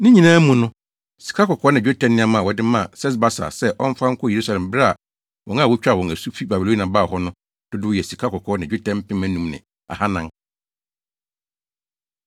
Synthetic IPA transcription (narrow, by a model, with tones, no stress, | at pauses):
nɪ̃˦ɲĩ˨nãː˦mũ˨nʊ̃˦ | si̥˨kʰa˦kɔ˨kʰɔː˦nã˨o˦tʰɛ̃˨nːɪ̃˦a˦mã˨wɔ˨dɪ˦mã˦˨sɛ˦s̬ba˦sa̰˨sɛ˦ʔɔ̃˦ɱ˦fã˦ŋ̩˦kʰʊ˦˨je˨ɾu˦sa˨lɛ̃˨m˨bɪ˦ɾa˦a˨ | wʔɔ̃˨˦ŋã˦˨wʊ˦t͡ɕᶣa˦˨wɔ̃˨æ˨su˦fi˦ba˨bi˨lo˦nã˨ba˦˨hɔ˦nʊ̃˦ | d̥ʊ˦dʊ˦jɛ˨si˨kʰa˦kɔ˨kʰɔː˦nã˨d͡ʑᶣo˦tʰɛ̃˦m˦pʰɪ̃˦mæ̃˨˦nũ˦mnɪ̰̃˨ | a̰˨ha˦nã˦ŋ